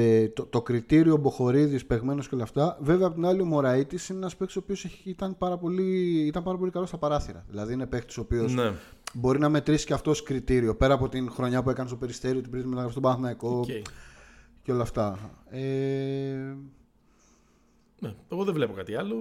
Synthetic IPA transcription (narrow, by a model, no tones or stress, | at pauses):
et̪ot̪o̞kɾit̪iɾio̞bo̞xo̞ɾiðispe̞ɣme̞noskceo̞lɐft̪ɐve̞veɐpot̪inɐliomo̞ɾɐit̪isineenɐspekt̪i̥so̞pio̞seit̪ɐnpɐɾɐpo̞liit̪ɐmpɐɾɐpo̞likɐlo̞st̪ɐpɐɾɐθiɾɐ̰ðilɐðiine̞pekt̪i̥so̞pio̞s | bo̞ɾinɐme̞t̪ɾisi̥ceɐft̪oskɾit̪iɾio̞pe̞ɾɐːpo̞t̪inxɾo̞ɲɐpue̞kɐnest̪ope̞ɾist̪e̞ɾiot̪ipɾit̪imenɐɣɾɐfist̪bɐɐθnɐiko̞ | ceo̞lɐːft̪ɐe | neeɣoðevlepokɐt̪iɐlo